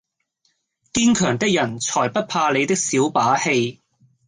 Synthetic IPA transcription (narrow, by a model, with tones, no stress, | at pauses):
kiː˥nkʰœː˨˩ŋt̪ɪ˥k̚jɐ˨˩nt͡ʃʰɔː˨˩jpɐ˥t̚pʰaː˧le˨˧jt̪ɪ˥k̚siː˨˥wpaː˨˥he˧j